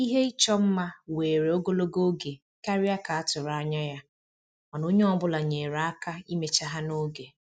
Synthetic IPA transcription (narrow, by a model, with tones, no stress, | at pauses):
i˦ɦe˦i˦t͡ʃɔ˦m̩˦ma˦weː˨ɾe˨o˦ɡo˦lo˦ɡo˦ɡe˨ | ka˦ɾi˦a˦ka˨a˦tʊ˨ɾa˨a˦ɲa˦ja˦ | ɔ˨no˦ɲe˦ɔ˦bʊ˦la˨ɲe˨ɾa˨a˦ka˦i˦me˦t͡ʃa˦ɦa˦no˦ɡe˨